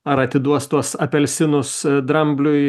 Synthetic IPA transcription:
ɐɾɐt̪ʲɪd̪uɔst̪uɔsɐpʲɛlʲsʲɪnʊsd̪ɾɐmʲbʲlʲʊɪ

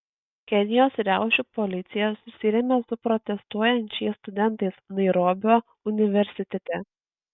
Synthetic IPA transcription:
kʲɛnʲɪjoːsɾʲæˑʊʃʲupɔlʲɪt̪sʲɪjɛsʊsʲɪɾʲɛmʲesʊpɾɔt̪ʲɛst̪uɔjɛnʲt͡ʃʲɛɪst̪ʊd̪ʲɛnˑt̪ɐɪsnɐɪɾoːbʲoː | ʊnʲɪʋʲɛɾʲsʲɪt̪ʲɛt̪ʲɛ

